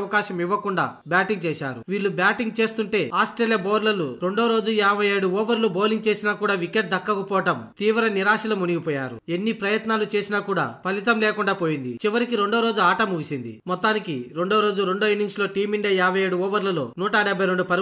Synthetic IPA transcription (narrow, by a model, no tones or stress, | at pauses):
ɐkaːʃɐmiʋːɐkuɳɖa̰ːbjaːʈiŋɡ̚t͡ʃɛːʃaːɾṵʋiːɭːubjaːʈiŋɡ̚t͡ʃe̞ːst̪uɳʈe̞ːaːsʈɾeːlijɐboːɾlɐluɾe̞ɳɖo̞ːɾo̞ːd͡ʒuɛaːbʱɐjeːɽuɔːʋɐɾluboːliŋɡt͡ʃe̞ːsinaːkuːɽaːʋikeʈ̚d̪ɐkːɐkɐpɔːɐʈɐmt̪iːʋɾɐniɾaːʃɐlɐmuniɡipɔːjaːɾṵe̞nːipɾɐjɐt̪naːlut͡ʃe̞ːsinaːkuːɽa̰ːpɐlit̪ɐmleːkuɳɖaːpoːjind̪ḭt͡ʃiʋɐɾikiɾe̞ɳɖo̞ːɾo̞ːd͡ʒuaːʈɐmuɡisind̪imɔt̪ːaːnikiɾe̞ɳɖo̞ːɾo̞ːd͡ʒuɾe̞ɳɖo̞ːjinːiŋɡslo̞ːʈiːmiɳɖijɐɛːbʱɐje̞ːɽuɔːʋɐɾlɐlo̞̰ːnuːʈaɖɛbʱɐjɾe̞ɳɖupɐɾ